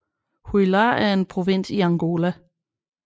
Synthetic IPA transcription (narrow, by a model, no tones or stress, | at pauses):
hulɑæɐe̝npʰʁo̝ʋen̰siɑ̈ŋɡ̥o̝ːlæ